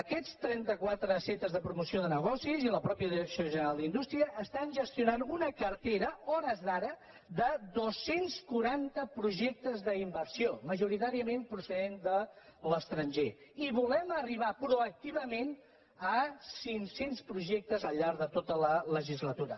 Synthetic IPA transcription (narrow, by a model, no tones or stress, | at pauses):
əkɛt͡st̪ɾɛnt̪əkwat̪ɾəset̪əzðəpɾumusioðənəɣ̞ɔsiziləpɾɔpjəðiɾəksioʒənəɾalˠind̪ust̪ɾiəʔːst̪anʒəst̪iunanunəkəɾt̪eɾəɔɾəzðaɾə | d̪əd̪osːenskuɾant̪əpɾuʒɛk̚t̪əzðəimbərsioməʒuɾit̪aɾiəmenpɾusəðend̪ələst̪ɾənʲʒeiβulɛməriβ̞apɾuək̚t̪iβəmen | əsiŋsenspɾuʒɛk̚t̪əzəlˠʎːaɾðət̪ot̪ələləʒizlət̪uɾə